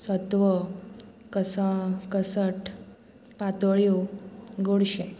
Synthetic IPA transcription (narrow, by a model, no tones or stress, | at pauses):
sət̪ʋə | kəsəkəsəʈ | pat̪oɭjuɡoɽɕe